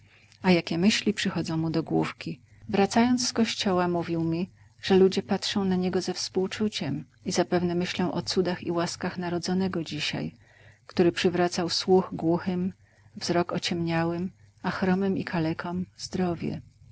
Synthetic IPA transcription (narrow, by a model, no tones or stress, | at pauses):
ajakʲɛmɘɕlʲipʂɘxɔd̪zɔ̃w̃mud̪ɔɡwṵfkʲi | vɾat̪sajɔnt̪sskɔɕt͡ɕɔwamuvʲiwmʲi | ʐ̥ɛlud͡ʑɛpatʂɔ̃w̃naɲɛɡɔzɛfspuwt͡ʂut͡ɕɛm | izapɛvnɛmɘɕlɔ̃w̃ʔɔt̪sud̪axḭwaskaxnaɾɔd̪zɔnɛɡɔd͡ʑiɕa̰j | kt̪uɾɘpʂɘvɾat̪sawswuxɡwuxɘm | vzɾɔkɔt͡ɕɛmɲawɘm | axɾɔmɘmikʰalɛkʰɔmzd̪ɾɔvʲjɛ̰